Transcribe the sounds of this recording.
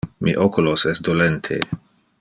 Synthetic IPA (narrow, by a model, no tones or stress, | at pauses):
miʔokulosesd̪olent̪ʰḛ